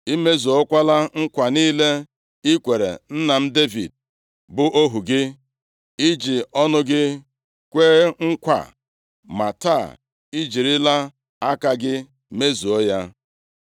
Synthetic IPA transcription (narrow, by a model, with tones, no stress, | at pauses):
i˦me˦zu˨o˦kʷa˦la˦ŋ̩˦kʷa˨niː˦le˦ | i˦kʷe˨ɾḛ˨n̩˦na˨m̩˦de˦vḭ˨d̚ | bʊ˦ʔo˦ɦu˨ɡɪ˦ | i˦d͡ʒi˨ɔ˦nʊ˦ɡɪ˦ | kʷeː˦ŋ̩˦kʷa̰˨ | ma˨ta˦˨ | i˦d͡ʒi˨ɾɪ˦la˦ | a˦ka˦ɡɪ˦ | me˦zu˨o˦ja˦